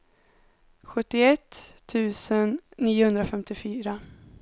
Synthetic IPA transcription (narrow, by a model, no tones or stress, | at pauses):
ɧɵt̪ːɪɛt̪ʰːʉ̟ːsənːiːʊhɵnd̪ɾafɛmt̪ɪfyːɾa